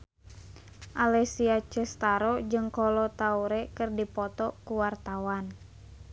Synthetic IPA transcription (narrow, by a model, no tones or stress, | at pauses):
ʔalɛsiat͡ʃɛst̪aɾɔd͡ʒɨŋkɔlɔt̪auɾɛkɨrdipɔt̪ɔkuwart̪awan